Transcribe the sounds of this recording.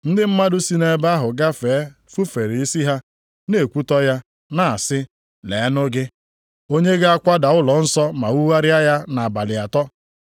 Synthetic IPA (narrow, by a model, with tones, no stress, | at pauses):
n̩˦dɪ˦m̩˦ma˦dʊ˦si˦ne˦ba˦ɦʊ˨ɡa˦feː˨˦ | fu˦fe˨ɾi˨i˦si˦ɦa˦ | ne˨kʷu˦tɔ˦ja˦ | na˨a˨sɪ˦ | le˨˦nʊ˦ɡɪ˦ | o˦ɲe˦ɡa˦kʷa˦da˨ʊ˦lɔ˨˦n̩˦sɔ˦ma˨wu˦wa˦ɾɪ˦a˦ja˦na˨ba˨lɪ˨a˨tɔ˦